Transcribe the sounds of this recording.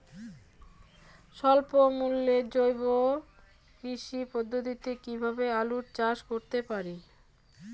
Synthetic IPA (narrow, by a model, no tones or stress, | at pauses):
ʃɔlpomulːed͡ʑojbo | kɾiʃipod̪ʱːot̪it̪ekibʱabealuɾt͡ɕaʃkoɾt̪epaɾi